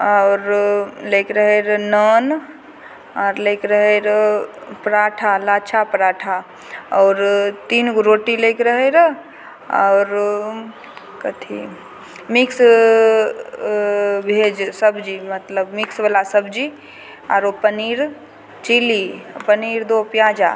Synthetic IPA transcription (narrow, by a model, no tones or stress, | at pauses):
ɔʊɾlekɾəɦeɾnən | aːɾlekɾəɦeɾəpɾaʈʰalat͡ʃʰapɾaʈʰa | ɔːɾt̪inɡɾoʈilekɾəɦeɾə | ɔ̰ʊɾ | kət̪ʰḭ | mɪks | bʱed͡ʒsəbd͡ʒimət̪ləbmɪksbəlasəbd͡ʒi | a̰ːɾopəniːɾ | t͡ʃilipəniːɾd̪opjaːd͡ʒa̰